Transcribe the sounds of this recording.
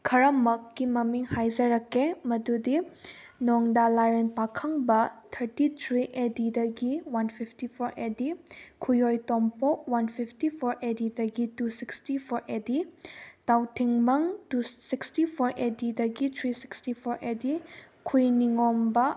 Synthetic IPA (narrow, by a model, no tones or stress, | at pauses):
kʰɐɾɐmɐkːimɐmiŋhajzɐɾɐkʰːemɐdudinɔŋdalaɾenpakʰɐŋbɐtʰɐɾtitʰɾiʔedidɐɡiwanpʰipʰtipʰoɾedikʰujojtompɔk̚wanpʰipʰtipʰoɾedidɐɡitusikstipʰoɾeditawtʰiŋmɐŋtusikstipʰoɾedidɐɡitʰɾisi̥kstipʰoɾʔedi | kʰujniŋombɐ